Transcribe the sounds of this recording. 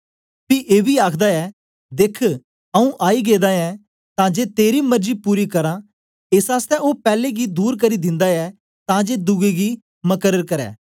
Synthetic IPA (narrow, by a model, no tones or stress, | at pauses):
piʔeːbiaːkʰd̪aɛː | d̪eːkʰ | ɐũʔaːiɡeːd̪aɛ | t̪ãd͡ʒeːt̪eːɾimɐɾd͡ʒipuːɾikɐɾã | esaːst̪ɛʔopɛːleɡid̪uːɾk̬ɐɾid̪ɪ̃nd̪aɛ | t̪ãd͡ʒeːd̪ʊɡeɡi | mɐkəɾəɾkɐɾɛ̰ː